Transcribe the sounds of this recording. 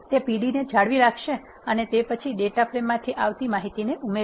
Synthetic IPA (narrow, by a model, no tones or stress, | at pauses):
t̪epiɽined͡ʒʱaɽʋiɾakʰʃe | ənet̪epət͡ʃʰiɖeʈapɾemːãt̪ʰiʔaʋt̪imaɦit̪ineʔume